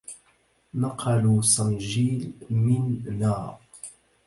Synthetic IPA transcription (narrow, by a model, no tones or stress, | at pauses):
nɑqʰɑluːsanʒiːlmɪnːaː